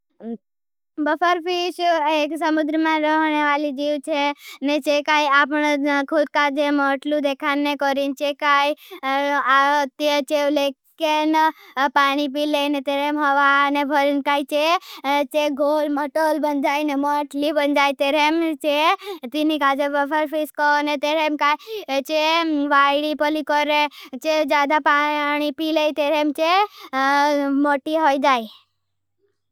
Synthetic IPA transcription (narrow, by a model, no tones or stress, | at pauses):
bəpʰəɾpiʃeksəmʊd̪ɾəmãɾəɦneʋaːlid͡ʒiːʋt͡ʃʰenet͡ʃekaiapəɳkʰud̪̚kad͡ʒeməʈlud̪ekʰanːekɔɾint͡ʃekai | at̪et͡ʃelekː | enpaːɽ̃ip̬ilenet̪eɾemɦəʋanebʱəɾinkait͡ʃet͡ʃeɡʱoːlməʈoːlbənd͡ʒaːinemaʈlibənd͡ʒaːit̪eɾemt͡ʃet̪inikad͡ʒebəpəɾpʰiskɔnet̪eɾemkait͡ʃeʋaɽipəlikɔɾet͡ʃed͡ʒaːd̪apañipileit̪eɾemt͡ʃe | moʈiɦojd͡ʒaːi